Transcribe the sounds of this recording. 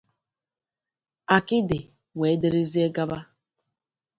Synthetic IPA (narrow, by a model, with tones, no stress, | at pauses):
a˨kɪ˦dɪ˨ | we˨˦de˦ɾe˦zi˦e˦ɡa˦ba˦